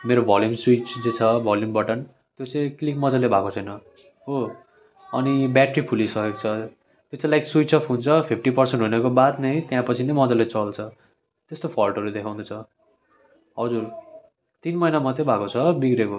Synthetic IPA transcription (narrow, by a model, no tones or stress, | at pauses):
meɾobʱʌljumswit͡sd͡zet͡sʰʌbʱʌljumbʌʈʌn | t̪jot͡sʌ̃ĩklik̚mʌd͡zʌlːebʱakot͡sʰʌjnʌ | o | ʌnibjaʈripʰulisʌkek̚t͡sʰʌ | t̪jot͡sãlajkswit͡sʰʌpʰunt͡sʰʌpʰip̚ʰʈipʌrseɳʈɦunekobat̪nʌjt̪jãpʌt͡sʰinʌjmʌd͡zʌlet͡sʌlt͡sʰʌ | t̪est̪opʰʌlʈɦʌɾud̪ekʰãw̃d̪ut͡sʰʌ | ɦʌd͡zur | t̪inmʌjnamʌt̪ʌbʱakot͡sʰʌbiɡɾeko